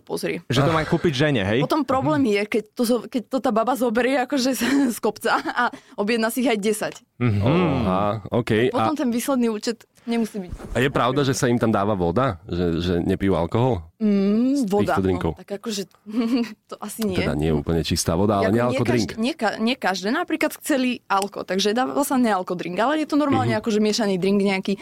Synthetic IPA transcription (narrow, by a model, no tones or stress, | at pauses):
pɔzɾɪɛʒɛɔmakuːpiɟʒɛɲɛɦɛjpɔt̪ɔmpɾɔblɛːmjɛkɛct̪ɔɔkɛc̚t̪ɔt̪aːbabazɔbɛɾɪɛakɔʒɛskɔpt͡saaɔbjɛd̪nasiɣajɟɛsac̩ | ɔɦaɔːkɛjpɔtaɔmt̪ɛnʋiːslɛd̪niuːt͡ʃɛt̪ | ɲɛmusiːbicajɛpɾaʊd̪aʒɛsaimt̪amd̪aːʋaʋɔd̪aʒɛʒɛɲɛpijua̰lkɔɦɔl̩ | ʋɔid̪aɔd̪ɾiŋkɔʊt̪aɡakɔʒɛ | t̪ɔʔasiɲɪt̪ɛd̪a̰ɲɪɛjɛṵpl̩ɲɛt͡ʃist̪aːʋɔd̪aalɛɲɛalɛɔd̪ɾiŋkɲɪɛkaɲɪɛkaʒd̪ɛːnapɾiːklat̪xt͡sɛlialkɔ̰t̪aɡʒɛd̪aːʋa̰alsaɲɛalkɔd̪ɾiŋɡalɛjɛt̪ɔnɔɾmaːlɲɛakɔʒɛmɪɛʃaniːd̪ɾiŋɡɲɛaki